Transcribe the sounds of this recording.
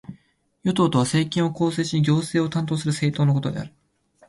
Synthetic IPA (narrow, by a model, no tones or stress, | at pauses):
jo̞t̪o̞ːt̪o̞β̞ase̞ːkʲĩɰ̃o̞ko̞ːse̞ːɕiiɡʲo̞ːse̞ːo̞t̪ãnt̪o̞ːsɨɾɯ̟se̞ːt̪o̞ːnoko̞t̪o̞d̪e̞̰a̰ɾɯ̟̥